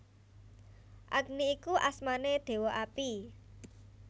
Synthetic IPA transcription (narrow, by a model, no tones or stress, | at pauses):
ʔaɡ̚niːkuʔasmaned̪̥e̤wɔʔapi